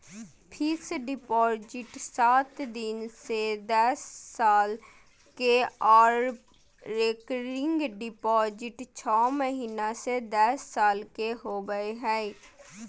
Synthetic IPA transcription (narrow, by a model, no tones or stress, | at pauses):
pʰɪsɖɪpɔːd͡ʒɪʈsaːt̪d̪ɪnsed̪əsːaːl | keɔːɾ | ɾeːkɾɪ̃ŋɡɖɪpɔːd͡ʒɪʈt͡ʃʰɔːməɦiːnased̪əsːaːlkeɦoːɡəeɦɛi